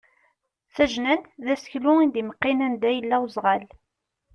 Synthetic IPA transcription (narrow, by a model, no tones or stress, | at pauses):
θæʒnænt̪ðæsə̥çlʊind̪iməqːinænd̪æjəlːæwzˤʁɑl